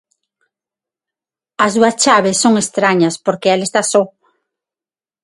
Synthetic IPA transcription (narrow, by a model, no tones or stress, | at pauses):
ɐzduɐst͡ʃaβesːoŋest̪ɾaɲɐspoɾkeɛlest̪asɔ